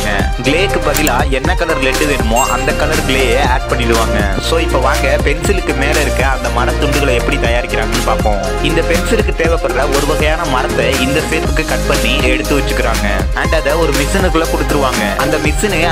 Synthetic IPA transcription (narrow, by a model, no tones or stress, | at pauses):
ŋɡɐ | ɡleːkːɯpɐðɪlaːɛnːɐkːɐlɐɾlɛʈːɯʋeːɾɯmoːʔɐnd̪ɐkːɐlɐɾɡɪɭeːjeːaːʈ̚pɐɳːɪɽɯʋaːŋɡɐsoːɪpːoːʋaːŋɡɐpɛnsɪlɯkːɯmeːlɐɪɾɯkːɯɐnd̪ɐmɐɾɐt̪ʊɳɖɯɣɐɭɐɛpːɐɽit̪ɐjaːɾɪkʲːɪɾaːŋɡɐnːɯpaːɾkõː | ɪnd̪ɐpɛnsɪlɯkːɯt̪eːʋɛpːɐɾrɐɔɾɯʋɐɣɐjaːnɐmɐɾɐt̪ːɐɪnd̪ɐfeːsbɯkːɯkɐʈ̚pɐɳːiɛɽɯt̪ːɯʋɐt͡ʃːɯkːɪɾaːŋɡɐ | ɐɳɖɐðɐɔɾɯmɪsɪnɯkːɯɭlɐkɔɽɯt̪ːɯɾɯʋaːŋɡɐʔɐnd̪ɐmɪsɪne